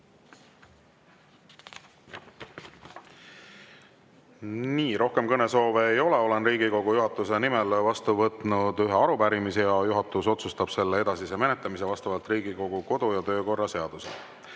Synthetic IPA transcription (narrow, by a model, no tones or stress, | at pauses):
niːɾo̞hke̞mkɤne̞so̞ːveːjo̞leo̞lenrɾiːɡiko̞ɡ̥ujuɦɑt̪ːˑuse̞nimelvɑst̪uvɤt̪ˑnud̪̥yɦeɑɾupæɾimisejɑjuɦɑt̪ːˑuso̞t̪sust̪ɑb̥se̞lːee̞d̪̥ɑsise̞me̞net̪ˑːɑmis̬e̞vɑst̪ɑvɑlt̪ˑriːɡ̥iko̞ɡ̥uko̞d̪̥ujɑt̪ø̞ːko̞rːɑse̞ɑd̪̥usḛ